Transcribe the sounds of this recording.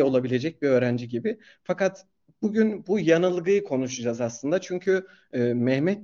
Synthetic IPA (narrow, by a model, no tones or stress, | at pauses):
o̞lˠabilʲe̞d͡ʒɛc̚biø̞ːɾænd͡ʒiɟibɪ | fakat̪ | b̥uɟynbujanɯlˠɡɯjɯkʰo̞nuʃud͡ʒazaslˠɯnd̪at͡ʃʰyɲcʰyː | mɛhmɛt̪̚